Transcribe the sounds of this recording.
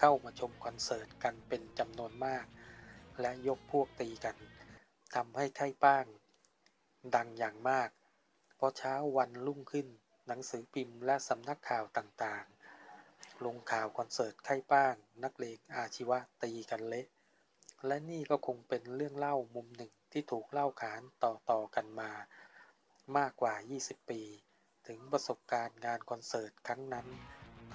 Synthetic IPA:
kʰa˥˩wmaː˧t͡ɕʰo˧mkʰɔ˧nsɤː˨˩t̪̚ka˧npe˧nt͡ɕa˧mnu˧ənmaː˥˩k̚lɛ˦˥ʔjo˦˥k̚pʰu˥˩ək̚t̪iː˧ka˧n | t̪ʰa˧mha˥˩jkʰa˥˩jpaː˥˩ŋ | da˧ŋjaː˨˩ŋmaː˥˩k̚ | pʰɔ˧˥t͡ɕʰaː˦˥wːa˧nlu˥˩ŋkʰɯ˥˩n | na˩˦ŋsɯː˩˦pʰi˧mlɛ˦˥ʔsa˨˦mna˦˥kʰːaː˨˩wt̪aː˨˩ŋt̪aː˨˩ŋ | lo˧ŋkʰaː˨˩wkʰɔ˧nsɤː˨˩t̪̚kʰa˥˩jpaː˥˩ŋna˦˥k̚leː˧ŋʔaː˧t͡ɕʰi˦˥wa˦˥ʔt̪iː˧ka˧nle˦˥ʔ | lɛ˦˥niː˥˩kɔː˥˩kʰo˧ŋpe˧nɾɯ˥˩əŋla˥˩wmu˧mnɯ˨˩ŋt̪ʰiː˥˩t̪ʰuː˨˩k̚la˥˩wkʰaː˩˦nt̪ɔː˨˩t̪ɔː˨˩ka˧nmaː˧ | maː˥˩kːwaː˨˩jiː˥˩si˨˩pːiː˧ | t̪ʰɯ˩˦ŋpɾa˧so˨˩p̚kaː˧nŋaː˧nkʰɔ˧nsɤː˨˩t̪̚kʰa˦˥ŋna˦˥n

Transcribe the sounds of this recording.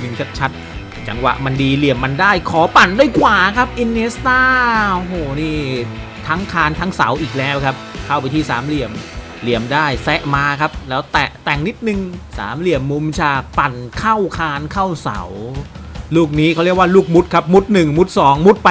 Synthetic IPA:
nɯ˧ŋt͡ɕʰa˦˥t̪̚t͡ɕʰa˦˥t̪̚ | t͡ɕa˧ŋwa̰˨˩ʔma˧ndiː˧li˨˩əmːa˧ndaː˥˩jkʰɔː˨˩˦pa˨˩ndaː˥˩jkʰwaː˨˩kʰa˦˥p̚ʔi˧ne˦˥st̪aː˥˩o˧ɦoː˨˩niː˥˩ | t̪ʰa˦˥ŋkʰaː˧nt̪ʰa˦˥ŋsa̰˩˦wʔiː˨˩k̚lɛː˦˥wkʰa˦˥p̚kʰa˥˩wp̬a˧jt̪ʰiː˥˩saː˩˦mli˨˩əm | li˨˩əmdaː˥˩jsɛ˦˥ʔmaː˧kʰa˦˥p̚lɛː˦˥wt̪ɛ˨˩ʔt̪ɛ˨˩ŋni˦˥t̪̚nɯ˨˩ŋsa̰ː˩˦mli˨˩əmːu˧˥mt͡ɕʰaː˧pa˨˩nkʰa˥˩wkʰaː˧nkʰa˥˩wsa̰˩˦w | luː˥˩k̚niː˦˥kʰa˧˥ɾi˥˩ək̚waː˥˩luː˥˩k̚mu˦˥t̪̚kʰa˦˥p̚mu˦˥t̪̚nɯ˨˩ŋmu˦˥t̪̚sɔː˩˦ŋmu˦˥t̪̚pa˧

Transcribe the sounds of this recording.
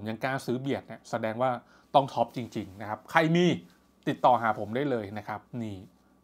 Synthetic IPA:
o˩˦mja˧ŋkaː˧nsɯː˦˥bi˨˩ət̪̚ni˧˩sa˧dɛː˧ŋwaː˥˩ | t̪ɔ˥˩ŋt̪ʰɔ˦˥p̚t͡ɕi˧ŋt͡ɕi˧ŋna˦˥kʰa˦˥p̚kʰa˧jmiː˧ | t̪i˨˩t̪ːɔː˨˩ɦaː˩˦pʰo˩˦mdaː˥˩jlɤː˧jna˦˥kʰa˦˥p̚niː˥˩

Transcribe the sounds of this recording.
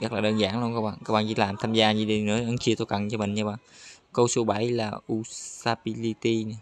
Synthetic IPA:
zə˦˥laː˨˩ɗəː˧nzaː˧˩˦ŋlu˧ənkaː˦˧k̚ɓa̰ː˧˨kaː˦˥kɓa̰ː˨˩t͡ɕḭ˧˦laː˨˩mt̪ʰaː˧mzaː˧ɲi˧ɗi˧˩nɨ̰˧˥ʔa˧˦nt͡ɕi˧ət̪o˧jkə˨˩˨nt͡ɕɔ˧mï˨˩ŋɲa˧ɓa̰ː˧˨kə˧wsu˨˧˦ɓa˧˩˦jlaː˨˩ʔu˧saː˧ɓi˧li˧t̪i˧n˨˦

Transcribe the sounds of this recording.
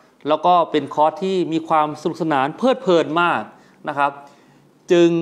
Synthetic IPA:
lɛː˦˥wkɔː˥˩pe˧nkʰɔː˦˥t̪ʰːiː˥˩miː˧kʰwaː˧msa˧nu˨˩s̬a˧naː˩˦npʰɤː˥˩t̪̚pʰɤː˧nmaː˥˩k̚ | na˦˥kʰa˦˥p̚ | t͡ɕɯ˧ŋ

